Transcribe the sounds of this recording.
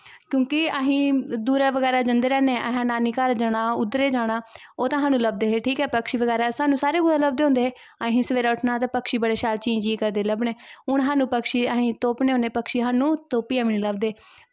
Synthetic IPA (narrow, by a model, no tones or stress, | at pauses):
kjõːkɪəɦĩːd̪uːɾaːʋəɡɛːɾaːd͡ʒənd̪eːɾɛːneːʔəɦãːnaːniːkəɾd͡ʒəɽaːʊd̪ɾeːd͡ʒaːɽ̃aː | oːt̪ãːɦaːnũːləb̚d̪eːɦeʈʰiːkɦɛːpəkʃiːʋəɡɛːɾaːsaːnũːsaːɾeːɡʊɽãːləb̚d̪eːɦʊ̃nd̪eːeː | aɦĩːsəʋeːɾaːʊʈʰnaːt̪̬ãːpəkʃiːbəɽeːʃaːlt͡ʃĩːd͡ʒiːkəɾd̪eːləbɳeːʊɳɦaːnũːpəkʃiːəɦĩːt̪oːpneːɦõneːpəkʃiːɦaːnũːt̪oːpiːaːʋiniːləb̚d̪eː